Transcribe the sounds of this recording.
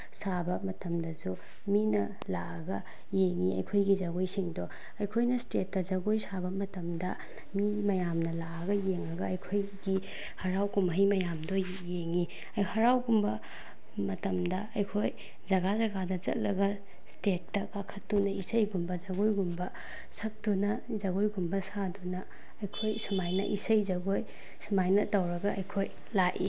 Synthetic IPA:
sabɐmɐtɐmdɐzu | minɐ | laɐɡɐ | jeŋiɐ̰jkʰojɡizɐɡojsiŋdɔ | ɐjkʰojnɐstet̚ːɐzɐɡojsabɐmɐtɐmdɐ | mimɐjamnɐlaɐɡɐjeŋɐɡɐɐjkʰojɡi | hɐɾawɡumɦɐjmɐjamdɔ | jeŋi | ɐjhɐɾawɡumbɐ | mɐtɐmdɐɐjkʰoj | zɐɡazɐɡadɐt͡ʃɐ̰t̚lɐɡɐ | stet̚dɐkakʰɐtːunɐisɐjɡumbɐzɐɡojɡumbɐ | sɐk̚dunɐ | zɐɡojɡumbɐsadunɐː | jkʰojsumajnɐ̰ʔisɐjzɐɡoj | sumajnɐtɐwɾɐɡɐɐjkʰoj | laʔi

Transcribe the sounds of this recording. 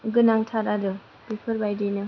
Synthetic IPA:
ɡɯnaŋtʰaɾadɯ | bipʰɯɾbajdinɯ

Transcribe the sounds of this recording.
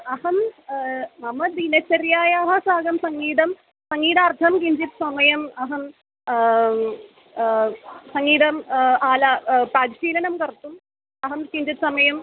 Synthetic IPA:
ɐhɐm | mɐmɐd̪inɐt͡ɕːɐrijaːjɐɦɐsaːɡɐmsɐŋɡiːðɐm | sɐŋɡiːðɐrt̪ʰɐmkiɲd͡ʑit̪sɐmɐjɐmɐɦɐm | sɐŋɡiːðɐmaːlɐpraːd̪iɕiːlɐnɐmkɐrt̪ːum | ɐɦɐmkiɲd͡ʑit̪sɐmɐjɐm

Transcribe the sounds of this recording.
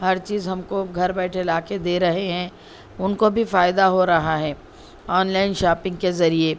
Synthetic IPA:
ɦɐɾt͡ʃiːzɦɐmkoɡʱɐɾbɛːʈʰelaːked̪eːɾɐɦeɦɛ̃ː | ʊnkobʱifaːɪd̪aɦoɾɐɦaɦɛː | ɔːnlaːɪnʃaːpɪ̃ŋɡkezɐɾie

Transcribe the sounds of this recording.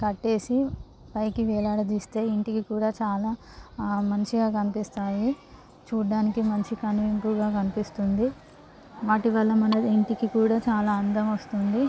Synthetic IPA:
kɐʈːe̞ːsi | pɐjkiʋɛːlaːɽɐd̪̬iːst̪e̞ːiɳʈikikuːɽaːt͡ʃaːlaː | mɐnt͡ʃiɡaːkɐnipist̪aːji | t͡ʃuːɖaːnikimɐnt͡ʃikɐnʋimpuɡaːkɐnipist̪und̪i | ʋaːʈiʋɐlːɐmɐnɐiɳʈikikuːɽaːt͡ʃaːlaːɐnd̪ɐmʋɐst̪und̪i

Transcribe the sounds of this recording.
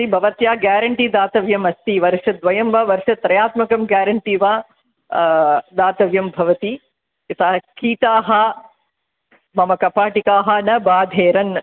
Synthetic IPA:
ibʱɐʋɐt̪jaːɡaːɾɐɳʈid̪aːt̪ɐʋjɐmɐst̪iʋɐɾʂɐd̪ʋɐjɐmʋɐʋɐɾʂɐt̪ɾɐjaːt̪mɐkɐmɡaːɾɐɳʈiːʋaː | d̪aːt̪ɐʋjɐmbʱɐʋɐt̪i | ɐt̪aːkiːt̪aːɦɐ | mɐmɐkɐpaːʈikaːɦɐnɐbaːd̪ʱeːɾɐn

